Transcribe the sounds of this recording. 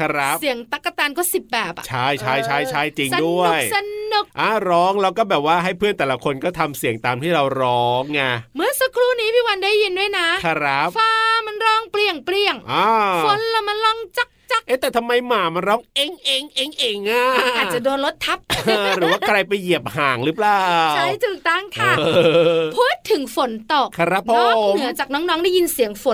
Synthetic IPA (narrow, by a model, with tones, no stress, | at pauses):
kʰa˧˥˩ɾa˦˥p̚si˨˩˦əŋt̪a˧˩kːa˧˩t̪aː˧nkɔː˥˩si˨˩p̚bɛː˨˩p̚a̰˨t͡ɕʰa˥˩jt͡ɕʰa˥˩jt͡ɕʰa˥˩jt͡ɕʰa˥˩jt͡ɕi˧ŋ˧du˥˩ə˨jsa˧nnu˨˩k̚ʔa˧˩ɾɔː˦˥ŋlɛː˧˦˧wkɔː˥˩bɛː˨˩p̚waː˥˩ɦa˥˩jpʰɯ˥˩ənt̪ɛː˨˩la˦kʰo˧nkɔː˥˩t̪ʰa˧msi˨˩əŋt̪aː˧mt̪ʰiː˥˩ɾa˧wɾɔː˦˥ŋːa˧˩mɯ˧˩ə˨sa˧kʰɾuː˥˩niː˦˥pʰiː˥˩wa˧ndaː˥˩jːi˧ndu˥˩əjna˦˥kʰa˧˩ɾa˦˥p̚faː˧ma˧nɾɔː˦˥˩ŋpli˨˩əŋpli˧˩əŋʔaː˧˩ffo˨˦nla˧˩ma˧nlɔː˥˩ŋt͡ɕa˧˩k̚t͡ɕa˨˩˥kʔeː˦˥˩t̪ɛː˨˩t̪ʰa˧mːa˧jmaː˨˩ma˧nɾɔː˦˥ŋʔe˧˩ŋʔeː˧ŋʔeː˧ŋʔeː˧ŋːaː˧˩ʔʔaː˨˩t͡ɕa˨˩doː˧nlo˦˥t̪ʰːa˦˥p̚ːɾɯːɯ˩˦waː˥˩kʰɾa˧jpa˧jːi˨˩əp̚haː˩˦ŋɾɯ˦˥plaː˨˩wʰa˧˩jt̪ʰɯː˨˩k̚t̪a˥˩ŋk̪ʰaaː˧˩˧pʰuː˥˩t̪ʰːɯ˩˦ŋfo˩˦nt̪o˨˩k̚kʰa˧ɾa˦˥p̚ʰːoɔː˧˥˩nmɯ˨˩˦ɐt͡ɕaː˨˩k̚nɔː˦˥ŋnɔː˦˥ŋdaː˥˩ji˧nsi˨˩˦əŋfo˨˩˦